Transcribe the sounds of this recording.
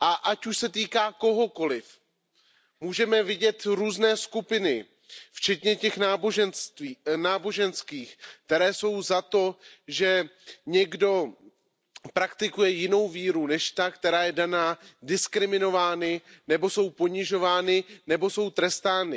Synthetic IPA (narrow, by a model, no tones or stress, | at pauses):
ʔaʔacuʃsɛt̪̬iːkaːko̞ɦo̞ko̞lɪf | muːʒɛmɛvɪɟɛt̪ɾuːznɛːskupɪnɪ | ft͡ʃɛt̪ɲɛcɛxnaːboʒɛnst̪ːnaːbo̞ʒɛnskiːxk̚t̪ɛɾɛːso̞wzat̪o̞ʒɛɲɛɡdo̞ | pɾakt̪ɪkujɛjɪno̞wviːɾunɛʃt̪akt̪ɛɾaːjɛdanaːdɪskɾɪmɪno̞vaːnɪnɛbo̞so̞wpo̞ɲɪʒo̞vaːnɪnɛbo̞so̞wt̪ɾɛst̪aːnɪ